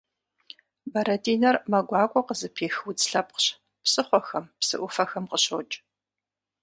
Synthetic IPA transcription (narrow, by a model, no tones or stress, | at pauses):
bɐɾɐdʰiːnɐrmɐɡʷɑːkʷʼɔqəzɨpʰeːxwut͡sʼɬɐp̚qɕ | psɨχʷɔxɐmpsɨ̰ʔʷʊfɐxɐmqəɕo̰ːt͡ʃʼ